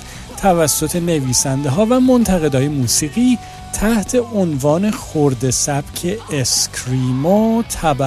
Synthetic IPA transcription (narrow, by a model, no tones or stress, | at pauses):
t̪ʰævæsːo̞t̪ʰe̞ne̞viːsænd̪eɦɒːvæmo̞nt̪ʰæɣe̞d̪ɒːjemuːsiːɣiː | t̪ʰæht̪ʰe̞ʔonvɒːne̞xoɾd̪e̞sæb̥cʰe̞eskʲʰɾiːmot̪ʰæbæ